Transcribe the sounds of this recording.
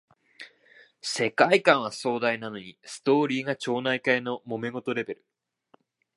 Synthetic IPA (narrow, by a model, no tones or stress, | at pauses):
se̞kaikãɰ̃β̞aso̞ːd̪ainano̞ɲ̟isɨ̥t̪o̞ːɾʲiːɡat͡ɕo̞ːnaikaeno̞mo̞me̞ɡo̞t̪o̞ɾe̞be̞ɾɯ̟̥